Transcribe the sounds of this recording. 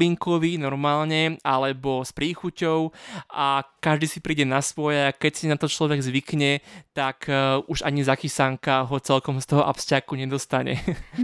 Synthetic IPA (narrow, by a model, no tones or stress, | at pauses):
iŋkɔʋinɔɾmaːlɲɛʔalɛbɔspɾiːxucɔʊakaʒd̪iːsipɾiːɟɛnasʋɔjɛakɛcsinat̪ɔt͡ʃlɔʋɛɡzʋikɲɛt̪akuʒaɲizakisaŋkaɦɔt͡sɛlkɔmst̪ɔɦɔʔa̰pscakuɲɛd̪ɔst̪aɲɛ̰